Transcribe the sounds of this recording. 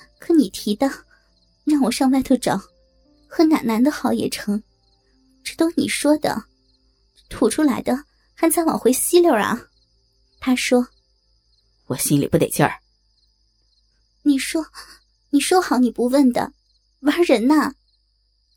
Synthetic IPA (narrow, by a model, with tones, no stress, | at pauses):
kʰɤ˧˥ni˨˩t̪ʰi˧˥d̪ɑ˥˩ʊ | ɻa˥˩ŋwɔ˨˩ʂɑ˥˧ŋpa˥˧ɪt̪ʰo˥˩ʊʈ͡ʂɑ˨˩˦ʊ | xə˧˥na̰˧˥nna˧˥nd̪ə˧xɑ˨˧˥ʊjɛ̰˨˩ʈ͡ʂʰɤ˧˥ŋ | ʈ͡ʂɻ̩˧˥t̪o˥ʊnḭ˨˩ʂwɔ˥d̪ə̰˨ | t̪ʰu˨˩ʈ͡ʂʰu˥la˧˥ɪd̪ə˧ | xa˥nt͡sʰwɑ̰˨˩ŋxwe˧˥ɪɕi˥ljo˧˥˩ɐ̰˧ | t̪ʰa˥ʂwɔ˥ | wɔ˨˩ɕi˥nli˨˩pu˥˩ḛ˨˩t͡ɕjɑ̰˥˩ | ni˨˩ʂwɔ˥ | ni˨˩ʂwɔ˥xɑ˨˧˥ʊni˨˩pu˧˥wə˥˩nd̪ə̰˩ | wa˧˥ɻə˧˥nɐ˧